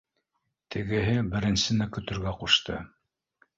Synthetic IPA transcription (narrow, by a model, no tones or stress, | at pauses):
t̪ʰɘ̆ɡɘ̆ɦɘbɘ̆ɾɘ̆nsɘ̆nækɵ̆t̪ɵ̆ɾɡæquʃt̪ʰɤ̰